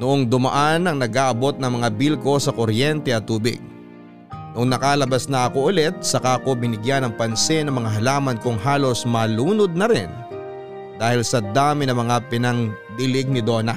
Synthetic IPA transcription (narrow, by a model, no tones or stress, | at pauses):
nʊʔoŋd̪ʊmɐ̰ʔanɐŋnɐɡʔaːʔɐbo̞t̪̚nɐŋmɐŋabilko̞sɐkoɾjɛnt̪ɛʔɐt̪ːuːbɪ̰ɡ̚ | nʊŋnɐkaːlɐbasnɐʔɐko̞ʔʊlɛt̪̚sɐkaʔɐko̞bɪnɪɡjanɐŋpɐnsɪnɐmɐŋaɦɐlaːmɐnkʊŋɦaːlo̞smɐluːnod̪̚nɐɾɪn | d̪aːhɪlsɐd̪aːmɪnɐmɐŋapɪnɐŋ | b̪ɪlɪɡ̚nɪd̪o̞ːnɐ